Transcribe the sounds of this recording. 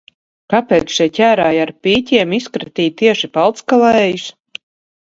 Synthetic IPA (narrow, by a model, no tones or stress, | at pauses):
kapeːt̪sʃiɛcʲæːɾaːjaɾpʲiːcʲiɛmiskɾat̪iːt̪iɛʃipalˠt̪skalˠɛːjus